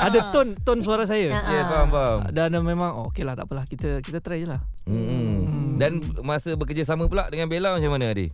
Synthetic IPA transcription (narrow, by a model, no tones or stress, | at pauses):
adət̪ɔnt̪ɔnsuaɾas̬ajəkebambamdanmẽmãŋookelaht̪a̰ʔpəlahkit̪əkit̪ət̪əɾɛd͡ʒəlahm̩ | danmasəbəkərd͡ʒəsaməpulaʔdəŋanbelamat͡ʃamanəadḭ